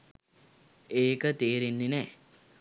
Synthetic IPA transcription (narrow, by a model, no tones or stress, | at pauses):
eːkət̪eːɾinːenɛː